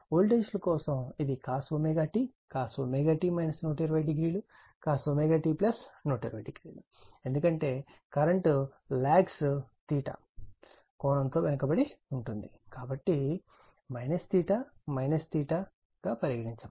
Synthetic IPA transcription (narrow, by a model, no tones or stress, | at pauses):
oːlʈeʃlɐkɔːsɐmid̪ikaːsʋɐmeɡaːʈiːkaːsʋɐmeɡaːʈiːmɐjnɐsnoːʈɐɾʋɐjɖiɡɾiːlu | kaːsʋɐmeɡaːʈiːplɐsnoːʈɐɾʋɐ̰jɖiɡɾiːlu | e̞nd̪ukɐɳʈe̞ː | kɐɾɐɳʈ | laːɡst̪iːʈɐ̰ | kɔːnɐnt̪o̞ːʋenɐkɐbɐɽiuɳʈund̪ikaːbɐʈːi | mɐjnɐst̪iːʈaːmɐjnɐst̪iːʈa | ɡ̥aːpɐɾjɐɡɐɽiɲt͡ʃɐ